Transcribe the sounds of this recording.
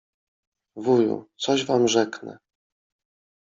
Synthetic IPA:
vujṵt̪sɔʑvamʐɛknɛ̰

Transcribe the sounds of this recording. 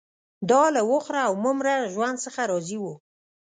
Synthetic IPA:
d̪ɑlawʊxɾaːwmʊmɾaʒwand̪səxaɾɑziwu

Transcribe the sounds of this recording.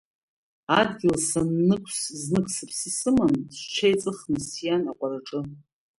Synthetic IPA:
adɡʲɪlsanːɨkʷʰsznɨkʷʰsɨpʰsisɨmansʷt͡ʃʰejt͡sʼɨχmɨsjanakʷʼaɾaʈ͡ʂʼɨ

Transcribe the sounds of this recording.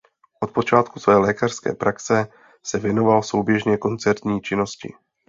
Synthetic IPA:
ʔo̞t̪̚po̞t͡ʃaːt̪̚kusvɛːlɛːkar̥skɛ̰ːpɾʔaksɛ | sɛvjɛno̞valso̞wbjɛʒɲɛko̞nt͡sɛɾt̪ɲiːt͡ʃɪno̞scɪ̰

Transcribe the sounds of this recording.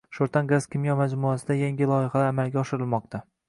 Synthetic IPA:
ʃoɾt̪ʰanɡazkʲɪmjɒmad͡ʒmuasɪd̪ajaŋɡʲɪlˠɒjɪhalaɾamalɡʲaɒʃɪɾɪlmɒq̚t̪ʰa

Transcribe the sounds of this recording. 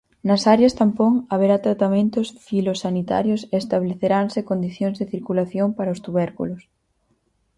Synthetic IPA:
nɐsaɾjast̪ampoŋaβeɾat̪ɾat̪amẽnt̪osfilosanit̪a̰ɾjosest̪aβleθeɾansekond̪iθjoŋzðeθiɾkulaθjompaɾɐost̪uβɛɾkṵlos

